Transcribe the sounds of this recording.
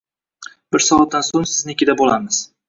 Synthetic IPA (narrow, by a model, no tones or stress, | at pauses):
bɪɾsɒvɒt̪̚ːansonsɪznekʲɪd̪abolamɪz̥